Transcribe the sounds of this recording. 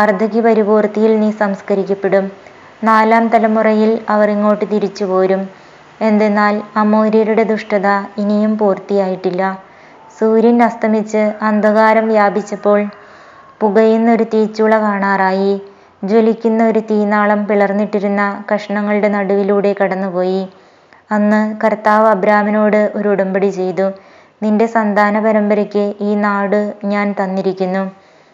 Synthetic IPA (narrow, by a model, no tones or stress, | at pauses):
ɐrd̪ʱɐɣipɐɾuboːrt̪ijilnisɐmskɐɾikʲːɐpːe̞ɽum | naːlaːmt̪ɐlɐmurɐjilɐʋɐreŋːo̞ːʈːɨt̪iɾit͡ɕːupo̞ːɾum | e̞nd̪e̞nːaːlɐmoːɾijɾuɽe̞d̪uʂʈɐðɐinijumpuːrt̪ijaːjiʈːilːɐ | suːɾinɐst̪ʰɐmit͡ɕːɨɐnd̪ʱɐɣaːɾɐmʋjaːbit͡ɕːɐpːo̞ːɭ | puɣɐjenːɐo̞ɾut̪iːt͡ɕːuɭːɐkaːɳaːraːji | d͡ʑo̞likʲːunːɐo̞ɾut̪iːnaːɭɐmpiɭɐrnːiʈːiɾunːɐkɐʂɐɳɐŋːɐɭɨɽe̞nɐɽuʋiluːɽe̞kɐɽɐnːupo̞ːji | ɐnːɨkɐrt̪aːʋɐbɾaːmɐno̞ːɽɨʔo̞ɾuuɽɐmbɐɽit͡ɕe̞jt̪u | ninde̞sɐnd̪ʱaːnɐpɐɾɐmbɐɾɐkʲːɨiːnaːɽɨɲaːnt̪ɐnːiɾikʲːunːu